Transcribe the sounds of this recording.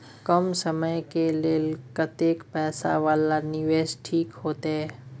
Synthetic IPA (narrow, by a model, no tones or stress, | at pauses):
kəmsəməjkeleːlkət̪eːkpɛːsa̰ʋaːlanɪʋeːʃʈʰiːkɦoːt̪aɦɛː